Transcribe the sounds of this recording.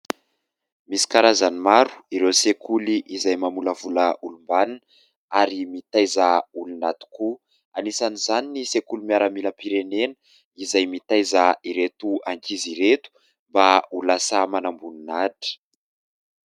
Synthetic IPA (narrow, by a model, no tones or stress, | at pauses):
misi̥kaɾazanimaɾu̥iɾewsekʰuliʔizajmamuləvuləʔulumbanan | aɾimit̪ajzaulunat̪u̥ku | anisanizaninisekulumiaɾamiləpiɾenenə | izajmit̪ajzaiɾet̪uaŋkiziɾet̪u̥ | mbaulasamanambuninaʈ͡ʂə̥